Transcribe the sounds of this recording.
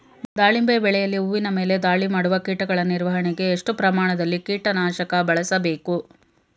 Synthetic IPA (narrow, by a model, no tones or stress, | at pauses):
d̪aːɭimbeːbɛɭɛjɐlːiuʋːinɐme̞ːle̞d̪aːɭimaːɽuʋɐkiːʈɐɡɐɭɐniɾʋɐɦɐɳɛɡe̞ːʂʈupɾɐmaːɳɐd̪ɐlːikiːʈɐnaːʃɐkɐbɐɭɐsɐbe̞ːku